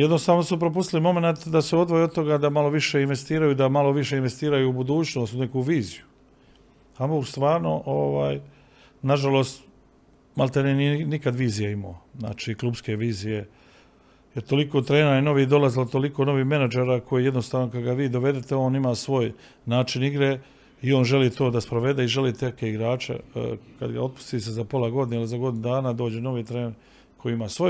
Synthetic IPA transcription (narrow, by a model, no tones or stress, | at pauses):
jed̪nost̪aːʋno̞supɾo̞p̬ust̪ilimo̞me̞nat̪d̪aseo̞d̪ʋojeo̞d̪t̪o̞ɡad̪amalo̞ʋiʃeinʋe̞st̪iːɾajuid̪amalo̞ʋiʃe̞inʋest̪iːɾajuubud̪uːt͡ʃno̞ːst̪une̞kuʋiːziju | amost̪ʋaːɾno̞ʔoʋaːj | naʒaloːst̪ | malt̪aninijenikad̪ʋiːzijeimo̰ːzna̰ːt͡ʃiːklubske̞ʋiːzije̞ | jeɾt̪o̞likot̪ɾe̞ːnaino̞ʋiːd̪o̞lazilot̪o̞likoːno̞ʋiːhme̞nad͡ʒeːɾaːko̞jijed̪nost̪aːʋno̞kaɡaʋiːd̪o̞ʋe̞d̪et̪eo̞ːnimaːsʋo̞ːj | naːt͡ʃiniɡɾe | io̞ːnʒe̞liːt̪o̞ːd̪aspɾoʋe̞d̪e̞iʒe̞liːt̪ekeiɡɾaːt͡ʃa̰ka̰d̪ɡa̰o̞d̪̚pu̥st̪is̬ezapo̞lˠaɡo̞d̪inealizaɡod̪inud̪aːnad̪o̞ːd͡ʑeno̞ʋiːt̪ɾeːn | kʰojiimasʋo̞